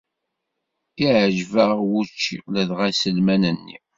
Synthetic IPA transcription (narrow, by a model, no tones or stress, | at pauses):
iʕʒvəʁwut͡ʃːḭʁlæðʁæsəlmænənːḭ